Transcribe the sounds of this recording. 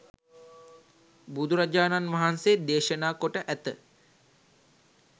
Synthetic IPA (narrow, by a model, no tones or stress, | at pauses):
bud̪ʱuɾad͡ʒaːnanʋaɦansed̪eːʃənaːkoʈəʔæt̪ə